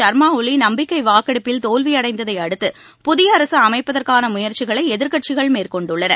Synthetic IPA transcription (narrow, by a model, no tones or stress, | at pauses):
ɐɾmaːʊlinɐmbɪkːɐɪʋaːkɐɽɯpːɪlt̪oːlʋɪjɐɽɐɪnd̪ɐðɐɪɐɽɯt̪ːɯ | pʊðɪjɐːɾɐsɯɐmɐɪpːɐðɐɾkaːnɐmʊjɐɾt͡ʃɪɣɐɭɐɪɛðɪɾkɐʈ̚t͡ʃɪɣɐɭmeːrkɔɳɖɯɭːɐnɐ